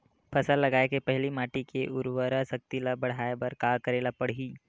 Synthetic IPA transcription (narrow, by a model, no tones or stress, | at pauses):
pʰɐsəlːɐɡaːekepɛɦlimaːʈikeʔʊɾwəɾasɐk̚t̪ilabɐɽ̤aːebɐɾkaːkɐɾeːlapɐɽ̤iː